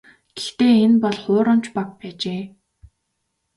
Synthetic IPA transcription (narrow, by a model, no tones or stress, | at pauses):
ɡ̥ext̪eːenpɔɮχʊːɾən̥t͡ɕpak̚pæːt͡ɕeː